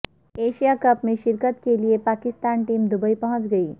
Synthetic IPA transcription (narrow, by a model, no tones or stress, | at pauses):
eʃijakəpmeʃiɾkət̪keliepakist̪anʈimd̪ubəipəɦə̃t͡ʃɡəi